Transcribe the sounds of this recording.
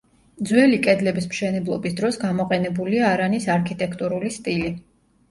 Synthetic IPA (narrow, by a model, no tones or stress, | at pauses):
d̪zwɛlikʼɛd̪lɛbismʃɛnɛblˠɔbisd̪ɾɔsɡamɔqʼɛnɛbuliaːɾanisaɾkʰit̪ʼɛkʰt̪ʼuɾulist̪ʼili